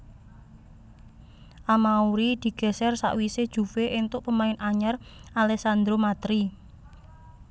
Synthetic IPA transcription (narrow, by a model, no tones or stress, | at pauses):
ʔamauɾid̪̥i̤ɡ̥ɛ̤sɛrsa̰ʔwised̥ʒ̥ṳfeʔint̪ʊʔpəmaɪnaɲarʔalɛsand̪ɾomat̪ɾi